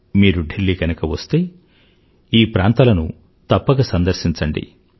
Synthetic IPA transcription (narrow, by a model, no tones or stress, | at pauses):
miːɾuɖʱelːiɡɐnɐkɐʋɐst̪eː | iːpɾaːnt̪ɐlɐnu | t̪ɐpːɐɡɐsɐnd̪ɐɾʃiɲt͡ʃɐɳɖḭ